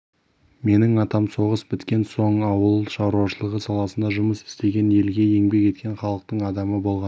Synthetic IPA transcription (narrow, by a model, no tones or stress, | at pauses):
me̞nɪŋɑt̪ɑmso̞ʁəsbɪt̪kʲe̞nso̞ɴɑwəlˠʃɑɾuɑʃəlˠəʁəsɑlˠɑsənd̪ɑʒʊməsɪ̥st̪e̞ɡʲe̞ne̞lɡʲe̞je̞ŋbe̞ke̞t̪̚kʲe̞ɴχɑlˠəq̚t̪əɴɑd̪ɑməbo̞lˠʁɑn